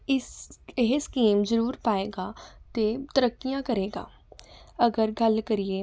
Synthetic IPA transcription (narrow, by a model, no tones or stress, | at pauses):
ɪsɦskiːmzɐɾuːɾpaːeːɡaːt̪et̪ɐɾəkːijãkɐɾeːɡa̰ː | ɐɡəɾɡʱɐlkɐɾieː